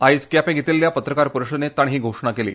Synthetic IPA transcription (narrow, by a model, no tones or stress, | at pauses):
ajskjapẽɡʱet̪iːlːjapət̪ɾəkaɾpuɾuʂənet̪ːaɳɦiːɡʱoʂɳ̃akelḭː